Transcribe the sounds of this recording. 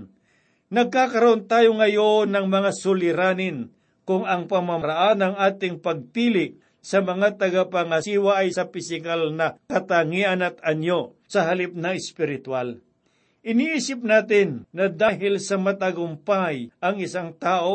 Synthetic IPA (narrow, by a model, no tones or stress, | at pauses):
nɐɡ̚kakɐɾɐʔont̪aːjoŋɐjonɐŋmɐŋasʊlɪɾaːnɪn | kʊŋɐŋpɐmamɐɾaʔanɐŋaːt̪ɪŋpɐɡ̚piːlɪʔ | sɐmɐŋat̪ɐɡapɐŋɐsiːwaʔɐjsɐpɪsɪkalnɐkɐt̪aŋiʔɐnɐt̪̚ɐɲjo | sɐɦɐlɪp̚nɐɪspɪɾɪt̪wal | ʔɪniʔiːsɪp̚naːt̪ɪnːɐd̪aːɦɪlsɐmɐt̪aɡʊmpajʔɐŋɪsaŋt̪aːʔo